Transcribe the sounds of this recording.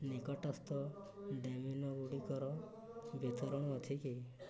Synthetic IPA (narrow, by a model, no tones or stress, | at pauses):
nikɔʈast̪ɔ | ɖeminɔɡuɽikɔɾɔ | bet̪ʰɔɾɔɽ̃ət̪ʰiki